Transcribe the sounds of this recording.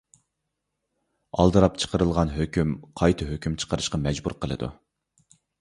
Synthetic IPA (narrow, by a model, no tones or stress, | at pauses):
ɑ̰lˠd̪ɨɾɑpt͡ʃʰə̥qʰəɾɨlˠʁɑnɦøkʲymqʰɑjt̪ʰɨɦøkʲymt͡ʃʰə̥qʰəɾɨʃqɑmɛd͡ʒbṵɾqʰəlˠɨ̰d̪ṵ